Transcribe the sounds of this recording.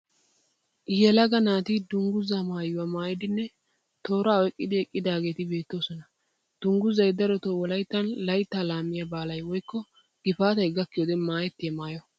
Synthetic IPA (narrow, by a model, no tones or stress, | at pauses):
ʔɪjɛlɐɡɐnaːt̪ɪd̪ʊŋɡʊzamaːjʊwɐmaːjɪd̪ɪnːɛ | t̪o̞ːɾaːɔɛkʼːɪd̪ɪɛkʼːɪd̪aːɡe̞ːt̪ɪbe̞ːt̪ːo̞ːsɔnɐ | d̪̥ʊŋɡʊzɐjd̪ɐɾɔt̪ɔwɔlɐjt̪ːɐnlɐjt̪ːaːlaːmːɪjɐbaːlɐjwɔjkːɔ | ɡ̥ɪfaːt̪ɐjɡɐkːɪjoːd̪ɛmaːjɛt̪ːɪjɐmaːjɔ